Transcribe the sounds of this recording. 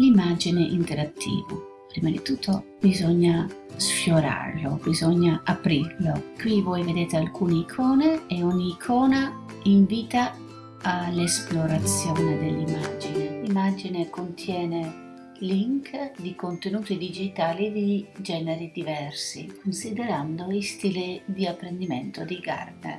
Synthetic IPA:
limad͡ʒineʔint̪eɾat̪ʰːḭːvo̰ | pɾiːmad̪it̪ut̪ʰːobizɔɲːa | sfjoɾa̰rlobizɔɲːaʔapɾirlokwivɔjved̪eːt̪ealkʰuːneikʰɔːneeɔɲːiːkʰɔːna | iɱviːt̪a | alesploɾat̪sjɔːned̪elːimad͡ʒinelimad͡ʒinekont̪ʰjɛːne | liŋkd̪ikont̪enuːt̪id̪id͡ʒit̪aːlid̪id͡ʒɛːneɾid̪ivɛrsikonsid̪eɾand̪oist̪iːlid̪iapːɾend̪iment̪od̪iɡa̰rdḛ

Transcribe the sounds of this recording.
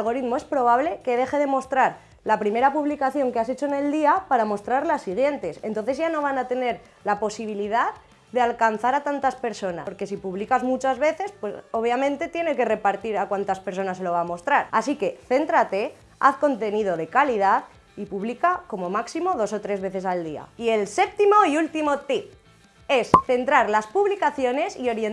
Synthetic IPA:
lɣo̞ɾiðmoe̞spɾo̞β̞aβle̞ke̞ðe̞xe̞ð̞e̞mo̞st̪ɾaɾ | lapɾime̞ɾapuβlikaθjo̞ŋkeas̬et͡ʃo̞ene̞ld̪iapaɾamo̞st̪ɾaɾlasːiɣ̞je̞nt̪e̞sent̪o̞nθe̞zʝano̞β̞anat̪e̞ne̞ɾ | lapo̞siβ̞iliðað | ðe̞alkan̟θaɾat̪ant̪aspe̞ɾso̞na̰ɾke̞sipuβlikazmut͡ʃazβe̞θe̞spwe̞so̞β̞jamẽ̞nt̪e̞t̪je̞ne̞ke̞re̞paɾt̪iɾakwant̪aspe̞ɾso̞naselo̞β̞aːmo̞st̪ɾaɾasike̞θe̞nt̪ɾat̪e̞ | a̰θko̞nt̪e̞niðo̞ðe̞kalið̞aθ | ipuβlikako̞mo̞maksimo̞ðo̞so̞t̪ɾe̞zβe̞θe̞sald̪ia̰ie̞lse̞p̚t̪imo̞iult̪imo̞t̪i | e̞sθe̞nt̪ɾaɾlaspuβlikaθjo̞ne̞sio̞ɾje

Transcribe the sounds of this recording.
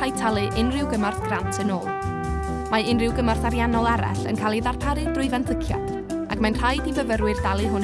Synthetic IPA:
ajtʰalˠɨʔɪnrɪwɡəmarθɡ̥rantʰənoːlˠ | maɪnrɪwɡəmarθaɾjanɔlˠɛɾa̰ɬə̰nkʰalˠiðarpʰaɾɨbrʊɨvantʰəkʰja̰̥ | aɡmanr̥ajdivəvəɾwɨrdalˠɨɦʊn

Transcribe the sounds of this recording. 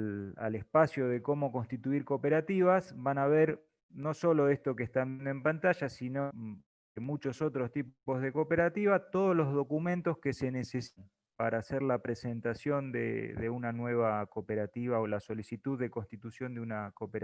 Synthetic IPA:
a̰lespasjo̞ðeko̞mo̞ko̞nst̪it̪uiɾko̞pe̞ɾat̪iβasβanaβeɾ | no̞so̞lo̞est̪o̞kest̪amjend̪oe̞mpant̪aʒasino | mut͡ʃo̞so̞t̪ɾo̞st̪ippo̞zðe̞ko̞peɾat̪iβat̪o̞ð̞ozlo̞zðo̞kumẽ̞nt̪o̞ske̞se̞nesesn | paɾaːseɾlapɾe̞se̞nt̪asjo̞nd̪ḛðeunanwe̞β̞akopeɾat̪iβaolaso̞lisit̪uðːe̞ko̞nst̪it̪usjo̞nd̪eunakopeɾ

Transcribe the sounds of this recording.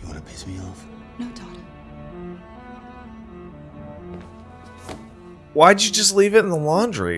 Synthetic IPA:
jɨwɑ̰̃nɨpʰesmiɔf | noʊdɑ | waɪdɨd͡ʒɨd͡ʒʌstˡlivɨɾn̩ðəlɑ̃ndɹḭ

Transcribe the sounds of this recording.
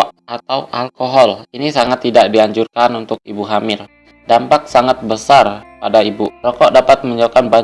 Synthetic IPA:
at̪awʔalkoɦɔlinisaŋat̪ːidaʔdiaɲd͡ʒurkanunt̪ʊk̚ibuɦamɪr | dampak̚saŋat̪̚bəsarpadaibuɾɔkɔʔdapat̪̚məɲd͡ʒokanba

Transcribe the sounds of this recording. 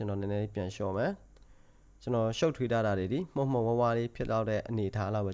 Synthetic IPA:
t͡ɕənɔnɛ̃nɛdipjãʃɔ̰mɛ | t͡ɕənɔʃoʊʔtʰweta̰daded̪im̥õm̥õwɛ̃walepʰɪtlːaʊtɛʔəneətʰalaʊbɛ

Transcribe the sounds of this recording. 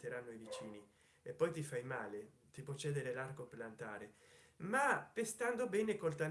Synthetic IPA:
t̪eɾanːoivit͡ʃiːni | epːɔjt̪ifajmaːle | t̪ipot͡ʃːɛːd̪eɾelarɡoplant̪a̰ːɾe | mapest̪and̪obɛːnekolt̪an

